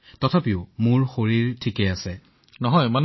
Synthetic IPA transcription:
tɔtʰapiʊmuɹxoɹiɹtʰikɛasɛ | nɔɦɔjman

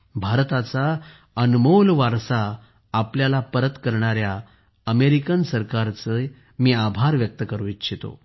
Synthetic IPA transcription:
bʱaɾt̪at͡sa | ənmolʋaɾsaː | pljalapəɾət̪kəɾɳaɾja | əmeɾikənsəɾkaɾt͡sə | miːabʱaɾʋjək̚t̪əkəɾʋit̪ːɕʰit̪o̰

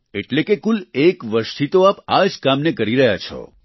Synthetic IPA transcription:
eʈlekekulekʋəɾʃt̪ʰit̪oapad͡ʒkamnekəɾiɾəɦja̰t͡ʃʰɔ̰

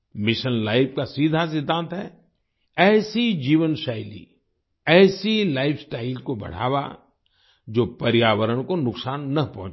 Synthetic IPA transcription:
mɪʃənlaːɪpkasiːd̪ʱas̬ɪd̪ʱːãːnt̪ɦɛː | ɛːsid͡ʒiːʋənʃaːɪlḭ | ɛːsilaːɪfʰsʈaːɪlkobɐ̰ɽ̤a̰ːʋa̰ | d͡ʒoːpɐɾjaːʋəɾəɽ̃konʊksaːnːɐpɐɦt͡ʃ

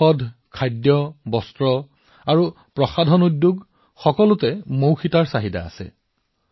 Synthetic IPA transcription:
ɔdʱkʰajdjɔbɔstɹɔ | aɹu | pɹɔxadʱɔnudːjuɡ | xɔkɔlʊtɛmowxitaɹsaɦida̰ːsɛ̰

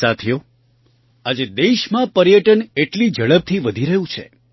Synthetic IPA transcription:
at̪ʰijo | ad͡ʒed̪eʃmãpəɾjəʈəneʈlid͡ʒəɭəb̚t̪ʰiʋəd̪ʱiɾəɦjũt͡ʃʰḛ

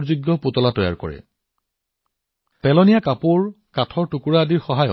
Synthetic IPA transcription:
ɹzuɡjɔputɔlatɔja̰ɹkɔ̰ɹɛ̰ | pɛlɔnijakapuɹ | katʰɔɹtukuɹaːdiɹxɔɦajɔ̰

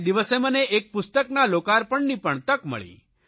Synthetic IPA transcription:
d̪iʋəseməneʔek̚pʊst̪əknalokaɾpəɳnipəɳt̪əkmə̰ɭḭ

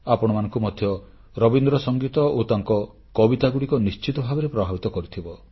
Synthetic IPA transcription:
apɔɽ̃ɔmanɔ̃ŋkumɔd̪ʱjɔ | ɾɔbind̪ɾɔsɔŋɡit̪ɔot̪aŋkɔ | kɔbit̪aɡuɽikɔnist͡ʃit̪ɔbʱabɔɾepɾɔbʱabit̪ɔkɔɾit̪ʰibɔ

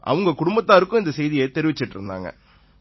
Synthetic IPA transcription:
ʔɐ̰ʋɯŋɡɐkʊɽʊmbɐt̪ːaːɪɾɯkːʊ̃ɪnd̪ɐsɛjðɪjɛt̪ɛɾɪʋɪt͡ʃːɪʈːɾɯ̰nd̪a̰ːŋɡɐ̰

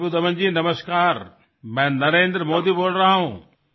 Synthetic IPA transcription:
bud̪əʋənd͡ʑiːnɐməskaːɾ | mɛ̃ːnɐɾẽːnd̪ɾəmoːd̪iːboːlɾɐaɦũː

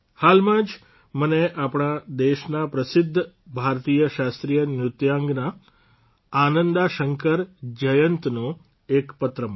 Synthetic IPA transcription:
halmãd͡ʒ | məneʔapɽ̃ad̪eʃnapɾəsɪd̪ʱː | bʱaɾt̪ijəʃast̪ɾijənjʊt̪jãŋɡnaː | nənd̪aʃəŋkəɾd͡ʒəjənt̪nõ | ekpət̪ɾəm

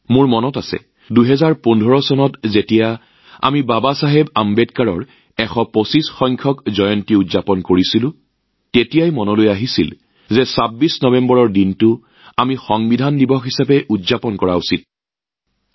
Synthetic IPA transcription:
mʊɹmɔnɔtasɛ̰ | duɦɛzaɹpundʱɔɹɔsɔnɔtzetija | a̰mibabasaɦebambɛdkaɹɔɹ | ɛxɔposisxɔjŋkʰɔkzɔjɔntiudzapɔnkoɹisilʊ̃ | tetijajmɔnɔlojaɦisḭl | zɛsabisnɔbɛmbɔɹɔɹdintʊ | amixɔŋbidʱandibɔxisapɛʔudzapɔnkɔɹausit̚

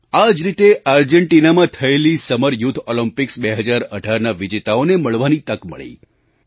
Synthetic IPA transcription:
ad͡ʒɾit̪eʔaɾd͡ʒəɳʈinamãt̪ʰəelisəməɾjut̪ʰoləmpɪksbeɦəd͡ʒaɾəɖʱaɾnaʋɪd͡ʒet̪aoneməɭʋanit̪əkmə̰ɭḛ

